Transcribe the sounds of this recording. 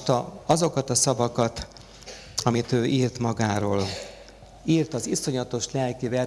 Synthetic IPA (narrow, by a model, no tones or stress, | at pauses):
t̪ɒɒzo̞kɒt̪ɒsɒvɒkɒt̪ | ɒmit̪øːʔiːrt̪mɒɡaːɾoːl | iːrt̪ɒziso̞ɲɒt̪o̞ʃlɛlkivɛ